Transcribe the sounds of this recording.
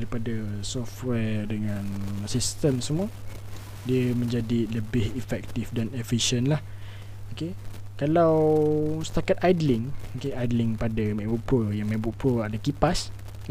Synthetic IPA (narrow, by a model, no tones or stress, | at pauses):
ɾipadasɔftwɛdəŋãnsist̪əmsəmũə | diəmə̃ɲd͡ʒadiləbɪhifɛk̚t̪ifdanefiʃənlah | okekalawsə̥t̪akat̪ajdlɪŋokeʔajdlɪŋpadamãbuʔpɾuəjaŋmãbuʔpɾuəadakipas